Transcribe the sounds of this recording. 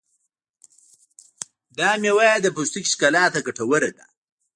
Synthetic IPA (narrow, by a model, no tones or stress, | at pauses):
d̪ɑːmjewajad̪əpust̪ikʃkalaːt̪aɡaʈawəɾed̪a̰